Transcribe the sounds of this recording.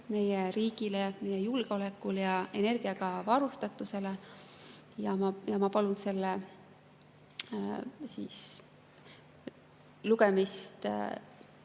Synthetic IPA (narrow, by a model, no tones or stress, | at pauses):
me̞jeɾiːɡ̥ileme̞jejulɡ̥eo̞le̞kːˑuljɑe̞ne̞rɡ̥iɑɡ̥ɑvɑɾust̪ɑt̪ːˑuse̞le | jɑmɑjɑmɑpɑlunse̞lːe | siːs | luɡ̥e̞mist̪